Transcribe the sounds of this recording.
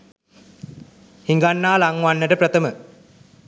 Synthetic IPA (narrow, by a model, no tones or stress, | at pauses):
hiŋɡanːaːlaŋʋanːəʈəpɾət̪əmə